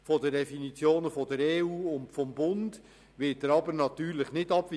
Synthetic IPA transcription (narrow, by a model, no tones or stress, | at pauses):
fɔdədɛfinit͡sjoːnəfɔdəɾeːuːʊntfɔmbʊnd | ʋɪt̚d̥əɾɑbəɾnɑt̪yːɾləχnɪdɑbʋ